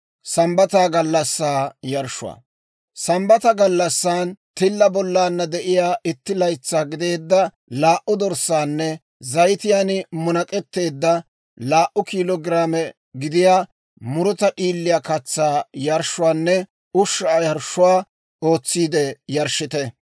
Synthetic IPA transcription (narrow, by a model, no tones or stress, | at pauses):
sɐmbɐt̪aːɡɐlːɐsːaːjɐɾʃʊ̰a̰ː | sɐmbɐt̪ɐɡɐlːɐsːaːnt̪ɪlːɐbɔlːaːnːɐd̪ɛʔɪjaːʔɪt̪ːɪlɐjt͡sːaːɡɪd̪e̞ːd̪ːɐ | laːʔʊd̪ɔɾsaːnːɛ | zɐjt̪ɪjanɪmʊnɐkʼɛt̪ːe̞ːd̪ːɐ | laːʔʊkiːlɔɡɪɾaːmɛ | ɡɪd̪ɪjaː | mʊɾɔt̪ɐʔiːlːɪjakɐt͡sːaːjɐɾʃːʊwaːnːɛ | ʊʃːaːjɐɾʃʊwaː | o̞ːt͡sːiːd̪ɛjɐɾʃɪt̪ɛ